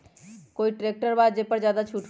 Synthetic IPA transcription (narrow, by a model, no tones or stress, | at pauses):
koiʈɾek̚ʈəɾbad͡ʒepəɾd͡ʒjad̪at͡ʃʰuʈ